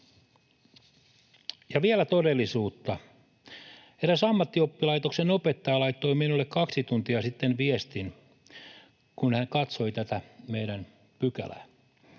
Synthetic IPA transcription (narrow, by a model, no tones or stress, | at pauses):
jɑʋielæt̪odelːˑisuːt̪ːɑ | eɾæsɑmːɑt̪ːiopːilɑjt̪oksenopet̪ːɑjɑlɑit̪ːoiminulːekkɑksit̪unt̪iɑsit̪ːenʋiest̪in | kunhæŋkɑt̪so̞it̪æt̪æmeidæn | pykæ̰læ̰